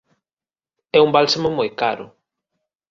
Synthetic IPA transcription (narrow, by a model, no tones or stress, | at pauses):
ɛumbalsamomojkaɾʊ